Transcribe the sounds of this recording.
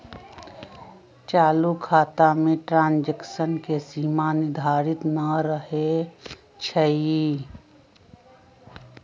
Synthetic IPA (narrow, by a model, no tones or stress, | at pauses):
t͡ʃaːlukʰaːt̪amẽʈɾãːnd͡ʒeksənkesiːmanɪd̪ʱaːɾɪt̪nəɾəɦe | t͡ʃʰəi